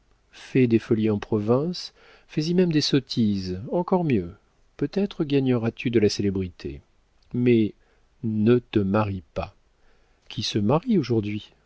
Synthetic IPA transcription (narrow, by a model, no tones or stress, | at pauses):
fɛd̪efɔliɑ̃pχɔvɛ̃s | fəzimɛmd̪esɔt̪ʰizɑ̃kɔʁmjø | pøt̪ɛt̪χəɡaɲəʁat̪ʰyd̪əlaselebʁit̪ʰḛ | mɛ | nət̪əmaʁipa | kʲisəmaʁioʒuʁd̪ɥi